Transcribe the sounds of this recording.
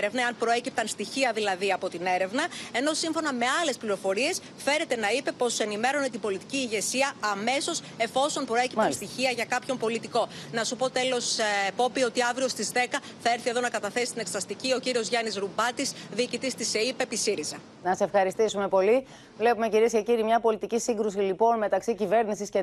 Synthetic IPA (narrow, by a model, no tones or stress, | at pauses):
ɾevnɐeɐnpɾo̞e̞cip̚t̪ɐnst̪içiɐðilɐðiɐpo̞t̪ine̞ɾe̞vnɐe̞no̞siɱfo̞nɐme̞ɐle̞spliɾo̞fo̞ɾie̞s | fe̞ɾe̞t̪e̞nɐipe̞po̞se̞nime̞ɾo̞net̪ibo̞lit̪iciːʝe̞siɐːme̞so̞s | e̞fo̞so̞mpɾo̞e̞cipt̪ɐnst̪içiɐʝɐkɐpço̞mpo̞lit̪iko̞nɐsupo̞t̪e̞lo̞sepo̞pio̞t̪iɐvɾio̞st̪izðe̞kɐ | θɐe̞ɾθieðo̞nɐkɐt̪ɐθe̞si̥st̪ineksɾɐst̪icio̞ciɾio̞zʝɐnizɾubɐt̪isðiːcit̪ist̪iseipe̞pisiɾizɐ | nɐseefxɐɾist̪isume̞po̞li | vlepume̞ciɾiesce̞ciɾimɲɐpo̞lit̪icisiŋɡɾusilipo̞nme̞t̪ɐksicive̞ɾnisisce